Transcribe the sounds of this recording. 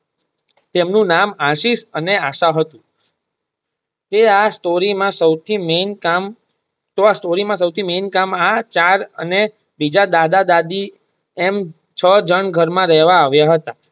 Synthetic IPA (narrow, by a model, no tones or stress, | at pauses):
t̪emnũnamaʃiʃəneaʃaɦət̪ũ | t̪easʈoɾimãsəwt̪ʰimenkam | t̪oasʈoɾimãsəwt̪ʰimenkamat͡ʃaɾəne | bid͡ʒad̪ad̪ad̪ad̪i | em | t͡ʃʰəd͡ʒəɳɡʱəɾmãɾɛɦʋaːʋjaɦət̪a